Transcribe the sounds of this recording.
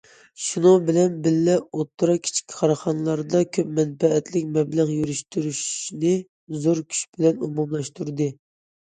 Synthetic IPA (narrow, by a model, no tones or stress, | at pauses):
ʃunubɪlɛnbɪlːɛot̪ʰːɨɾɑkʲʰi̥t͡ʃʰi̥kʲʰːi̥qʰɑɾɑχɑnlˠɑɾd̪ɑkʲʰøpmɛnpɛɛt̪lɪkʲmɛbləʁjyɾyʃt̪yɾyʃnɪ | zoɾkʲʰy̥ʃb̥ɪlɛnumumlˠɑʃt̪uɾd̪ɨ